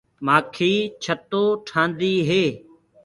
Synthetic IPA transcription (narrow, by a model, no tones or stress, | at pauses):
maːkʰiːt͡ʃʰət̪oːʈʰãːnd̪iːɦeː